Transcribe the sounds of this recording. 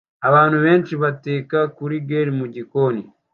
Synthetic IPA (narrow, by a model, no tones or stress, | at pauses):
aβaːnuβe̞ːnt͡ʃiβate̞ːkakuɾiɡeɾimuɟikoːni